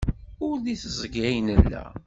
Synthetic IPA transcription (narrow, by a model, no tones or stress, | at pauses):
ʊɾðiθəzˤəɡæjnəlːæ̰